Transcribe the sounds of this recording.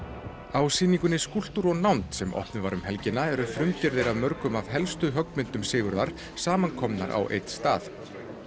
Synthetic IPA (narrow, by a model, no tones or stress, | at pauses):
awsiːniŋkʏnɪskul̥t̪uɾɔɣnawnt̪sɛmɔ̰hpnʏvaɾʏmhɛlcɪnːaɛɾʏfɾʏmcɪɾðɪɾaðmœɾkʏmav̥ɦɛlst̪ʏɦœkmɪnt̪ʏmsɪːɣʏɾðaɾ̥ | saːmankʰɔmna̰ɾʔa̰wʔḛjt̪st̪aːθ